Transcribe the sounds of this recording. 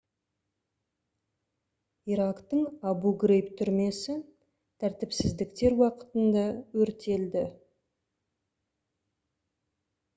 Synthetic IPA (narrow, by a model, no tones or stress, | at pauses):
iɾɑkt̪əɴɑbuɡɾejpt̪ʰʏɾme̞sɪ | t̪ʰæɾt̪ɪpsɪzd̪ɪkt̪e̞ɾwɑqə̥t̪ənd̪ɑwɵɾt̪e̞ld̪ɪ